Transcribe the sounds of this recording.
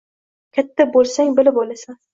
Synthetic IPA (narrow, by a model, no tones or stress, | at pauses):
kʲʰat̪ʰːabolˠsaŋbɪlɪbolasan